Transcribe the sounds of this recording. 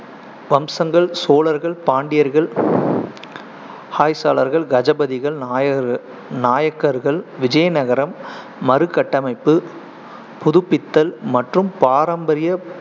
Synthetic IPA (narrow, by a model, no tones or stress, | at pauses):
ʋɐmsɐŋɡɐɭsoːlɐɾɣɐɭpaːɳɖɪjɐɾɣɐɭ | haːjsaːlɐɾɣɐɭɡɐd͡ʒɐbɐðɪɣɐɭ | naːjɐkːɐɾɣɐɭʋɪd͡ʒɐjɐnɐɣɐɾɐmː | ɐɾɯkːɐʈːɐmɐɪpːɯ | pʊðɯpːɪt̪ːɐlmɐʈrɯmpaːɾɐmbɐɾɪjɐ